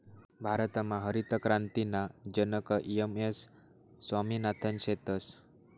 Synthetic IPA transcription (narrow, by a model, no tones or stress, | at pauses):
bʱaɾət̪amãɦəɾit̪əkɾant̪inad͡ʒənəkəʔiemesː | waminat̪ʰənʃet̪əs